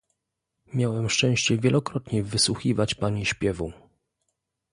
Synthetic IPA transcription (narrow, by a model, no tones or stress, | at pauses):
mʲjawɛmʂt͡ʂɛ̃w̃ɕt͡ɕɛvʲjɛlɔkɾɔt̪ɲɛvɘswuxʲivat͡ɕpaɲiɕpʲjɛvu